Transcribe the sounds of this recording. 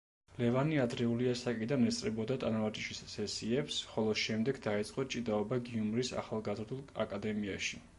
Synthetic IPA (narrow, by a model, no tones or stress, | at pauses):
lɛvaniad̪ɾɛuliasakʼid̪anɛt̪sʼɾɛbɔd̪at̪ʼanaat̪ʼiʃisːɛsiɛpsχɔlˠɔʃɛmd̪ɛɡd̪ait̪sʼqʼɔt͡ʃʼid̪aɔbaɡiumɾisa̰χalˠɡazɾd̪ulˠa̰kʼad̪ɛmiaʃi